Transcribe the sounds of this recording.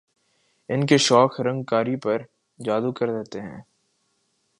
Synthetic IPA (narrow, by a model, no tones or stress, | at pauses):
ɪnkeʃɔːkɾɐ̃ŋɡkaːɾipɐɾ | d͡ʒaːd̪ukɐɾd̪eɦt̪eɦɛ̰̃ː